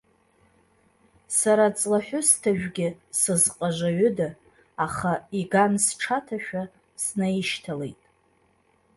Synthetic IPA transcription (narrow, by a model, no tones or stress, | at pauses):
saɾat͡sʼlaħʷᶣʊstʰaʒᶣɡʲɪsɨzqʼaʒʷaɥʏda | aχaiɡansʈ͡ʂʰatʰaʃᶣa | snajiʃtʰale̞̰jtʼ